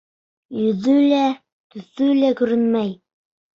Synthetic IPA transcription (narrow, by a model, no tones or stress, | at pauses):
jɵ̆ðɵlæ | t̪ɵ̆θɵlækɵ̆ɾɘnmæj